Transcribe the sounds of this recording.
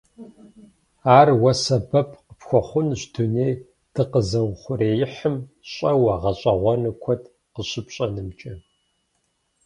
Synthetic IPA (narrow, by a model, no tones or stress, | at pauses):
aːrwɐsɐbɐpʰqəpxʷɔχʷʊnɕduneːj | d̥ɨqəzɐwχʷʊreːjɪħəmɕʼɐwɐʁɐɕʼɐʁʷɔnɨkʷʰɔdʰ | qəɕɪpɕʼɐnɨmt͡ʃʼɐ